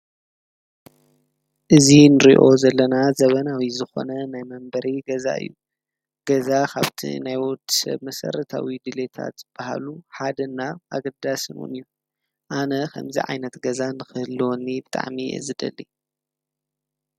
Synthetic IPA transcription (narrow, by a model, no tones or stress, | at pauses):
ʔɨzinɨɾiʔo̞zɐlːɐnazɐβɐnawizɨxo̰nɐnajmɐmbɐɾiɡɐza̰ɨ̰jːu | ɡ̥ɐzakʰa̰βt̪ʰḭnajwɔd̪i̥sɐ̰βmɐsɐ̰ɾɐt̪ʰa̰wid̪ɨle̞t̪ʰa̰t̪z̥ɨb̥aha̰luħad̪ɐnːaʔaɡɐd̪asɨnṵnɨjːu | ʔanɐkʰɐ̰mzḭʕa̰jnɐt̪ɡɐzanɨxɨhɨlːwonːibɨt̪ʼa̰ʕmiɨ̰zɨd̪ɐ̰lːi